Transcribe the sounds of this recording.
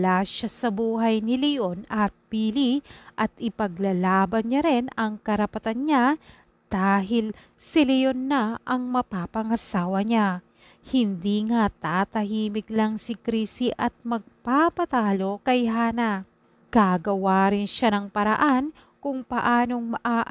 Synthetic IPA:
laʃasɐbuːɦɐjnɪlɪjonɐt̪̚biːliʔɐt̪ɪpɐɡlalaːbɐnɲaɾɛnɐŋkɐɾɐpɐt̪anɲa | d̪̥aːɦɪl | sɪlɪjonːaʔɐŋmɐpaːpɐŋɐsaːwɐɲa | hɪnd̪iŋat̪aːt̪ɐhiːmɪɡlaŋsɪkɾiːsiʔɐt̪̚mɐɡ̚papɐt̪aːlo̞kɐjɦaːnɐ | ɡ̥aɡɐwaːɾɪnʃanɐŋpɐɾɐ̰ʔan | kʊŋpɐʔaːno̞ŋmɐʔaːʔ

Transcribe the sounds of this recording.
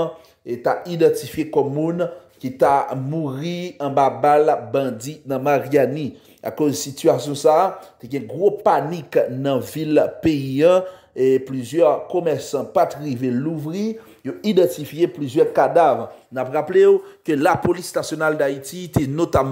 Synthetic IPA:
t̪aid̪ɐ̃tifjekɔmːũnkit̪amuʁiɐ̃babalbɐ̃d͡zinɐ̃maʁiani | a̰kozsityasjɔ̃saːt̪eɡɛ̃ɡʁopaniknɐ̃vilpeiɐ̃ | plyzjœʁkomɛʁsɐ̃pat̪ʁiveluvʁi | joid̪ɐ̃t̪ifjeplyzjœʁkad̪avʁnapʁapleokølapolisnasjonald̪ait̪it̪enot̪am

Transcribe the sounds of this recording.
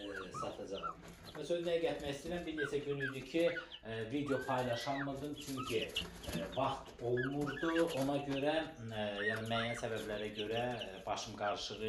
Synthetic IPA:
sɑt̪ʰɑd͡ʒɑʁ | mænsø̞znæjæɟæt̪mæçist̪iːɾæmbiɾne̞t͡ʃʰæɟynyjd̪ycʰivid̪ejo̞pʰɑjlˠɑʃɑlˠmɯɾd̪ɯmt͡ʃʰyɲcʰi | vɑχt̪o̞lˠnuɾd̪uʔo̞nɑɟø̞ɾæjɑnimæːjænsæbæblæɾæɟø̞ɾæ | b̥ɑʃɯmɡɑɾʃɯʁɯ

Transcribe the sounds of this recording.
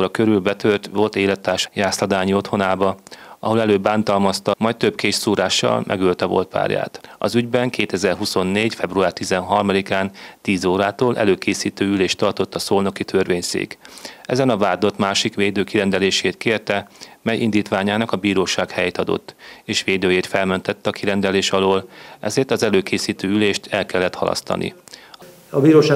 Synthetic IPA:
ɾɒkøɾylbɛt̪ørt̪ʋo̞lt̪eːlɛt̪ːaːrʃjaːslɒd̪aːɲio̞t̪ho̞naːbɒɒɦo̞lɛløːbːaːnt̪ɒlmɒst̪ɒmɒjt̪t̪øbkeːʃsuːɾaːʃːɒ̰lmʔɛ̰ɡylt̪ɛvo̞̰lt̪pa̰ːrja̰ːt̪ɒ̰zyɟbɛŋkeːt̪ɛzɛrɦuso̞nːeːɟfɛbruaːrt̪izɛnɦɒrmɒd̪ikaːnt̪iːzoːɾaːt̪oːlʔɛ̰løːkʰeːsiːt̪øːyleːʃt̪ɒrt̪o̞t̪ːɒsoːlno̞kit̪ʰørʋeːɲsḛːkɛ̰zɛnɒvaːd̪o̞t̪maːʃikʋeːd̪øːkiɾɛnd̪ɛleːʃeːt̪keːrt̪ɛmɛjʔind̪iːt̪ʋaːɲaːnɒkɒbiːɾoːʃaːkhɛjeːt̪ɒd̪o̰t̪ːeːʃʋeːd̪øːjeːt̪fɛlmønt̪ɛt̪ːɛɒkʰiɾɛnd̪ɛleːʃɒloːlɛ̰zeːrt̪ɒzɛløːkeːsiːt̪øːyleːʃt̪ʰɛlkɛlːɛt̪hɒ̰lʔɒ̰st̪ɒ̰nʔḭ | ɒbiːɾoːʃa

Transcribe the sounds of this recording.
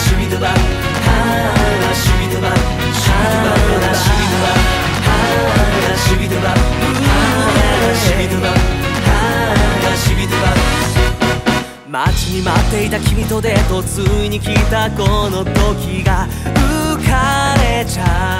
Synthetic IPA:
ɕibʲit̪ɯɡa | ha | aɕibʲit̪oβa | ɕii | anaɕibʲit̪oa | ha | naɕibʲit̪oɡa | ɯeɾɯɕiit̪ɯahanaɕibʲid̪ɯɡa | mat͡ɕiɲ̟imat̪ːe̞it̪akʲibʲit̪o̞d̪e̞t̪o̞t͡sɨiɲ̟ikʲit̪ako̞no̞t̪o̞kʲiɡa | ɯkaɾe̞t͡ɕa

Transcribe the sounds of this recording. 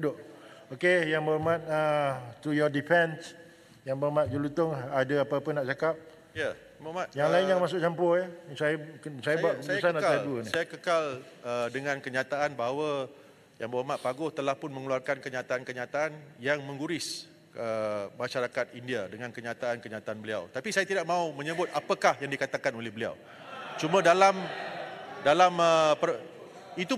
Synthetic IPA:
udʊʔokejaŋbəmãt̪̚ət̪ɾujɔdifɛ̃ns | jaŋbəɾmat̪̚d͡ʒulut̪ʊŋadaapaːpənaʔt͡ʃakap̚ | ja | bəmat̪̚jaŋlaɪnnjaŋmasʊk̚t͡ʃampɔjasajasajabaʔəsannaaduənisajakəkalədəŋãnkəɲat̪aʔanbaɦawa | jaŋbawamaʔpaɡʊht̪əlahpʊnmə̃ŋəluarkankəɲat̪aːnkəɲat̪aanjaŋmə̃ŋɡuɾɪs | ʔəmãʃaɾakat̪indiadəŋãnkəɲãt̪aankəɲat̪aːnbəlia̰wt̪apisajat̪idaʔmãumə̃ɲəbʊt̪̚apakahjaŋdikat̪akanolɛhbəlia̰w | t͡ʃumə̃dalam | dalaməpə | it̪u

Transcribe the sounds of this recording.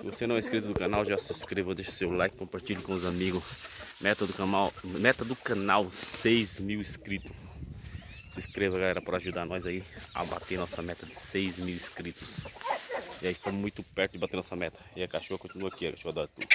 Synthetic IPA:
sɪvosenɐ̃w̃ɛiskɾit̪ʊd̪ʊkɐ̃nawʒasɪskɾevɐewd̪eʃʊ̥sewlajkɪ̥kõmpaɾt͡ʃiʎʊkõʊzamiɡʊsmɛt̪ɐd̪ʊkɐ̃nawmɛt̪ɐd̪ʊkɐ̃nawsejzmiwiskɾit̪ʊ | sɪskɾevɐɡalɛɾɐpaɾɐaʒud̪aɾnɔjzaia̰bat̪eɾnɔsɐmɛt̪ɐd͡ʒ̪ɪsejzmiwiskɾit̪ʊs | ɪaist̪ɐ̃mũj̃t̪ʊpɛɾt̪ʊd͡ʒɪbat̪eɾnɔsɐmɛt̪ɐ̥ɪɐkaʃohɐkõt͡ʃinuɐkiɐkaʃohad̪oɾɐt̪ṵd̪

